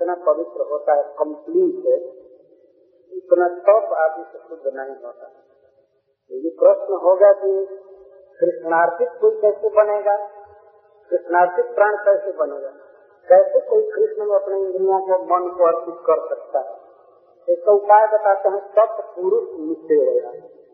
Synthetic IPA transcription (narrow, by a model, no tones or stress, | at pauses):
t̪napəbit̪ɾəɦot̪aɦɛkəmpliːʈɦɛ | ɪt̪nat̪əpaːd̪misekʊd̪ʱːnəɦĩɦo̰t̪a̰ɦɛ | t̪ojepɾəsnəɦoɡaki | kɾɪsʈnaɾp̪ʰɪk̚koikɛːsebəneɡa | kɾisnaɾt̪ik̚pɾañkɛɪsebəneɡa | kɛsekoikʰɾisnəmeəpneĩnd̪ɾiõkomənkoəɾpit̪kəɾsək̚t̪aɦɛ̰ | t̪esəut̪aebət̪at̪eɦɛ̃t̪əppuɾusmit̪eɾəɡa̰